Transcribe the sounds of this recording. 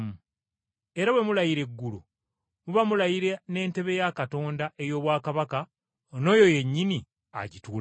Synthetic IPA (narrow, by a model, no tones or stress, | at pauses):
mu | e̞ɾawe̞mulajiɾe̞ɡːulu | muβamulajiɾe̞ne̞ːnte̞βe̞jakato̞ːndaʔe̞jo̞ːβwaːkaβaka | ono̞ːjo̞je̞ɲːini | a̰ɟituːl